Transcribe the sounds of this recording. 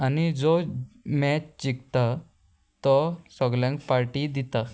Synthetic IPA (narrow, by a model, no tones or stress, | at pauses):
anid͡zɔmɛt͡ɕt͡ɕikt̪a | t̪ɔsɔɡljãŋkfaɾʈid̪it̪a